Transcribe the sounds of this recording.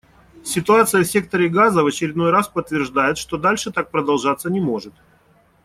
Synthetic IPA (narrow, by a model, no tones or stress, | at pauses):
sʲɪt̪ʊat̪sɨjəsʲe̞k̚t̪əɾʲɪɡazəvət͡ɕɪɾʲɪd̪no̞jraspət̪ːvʲɪrʐd̪ajɪt̪ʂt̪o̞d̪alʲʂɨt̪ak̚pɾəd̪ɐlˠʐat̪sːənʲɪmo̞ʐɨt̪̚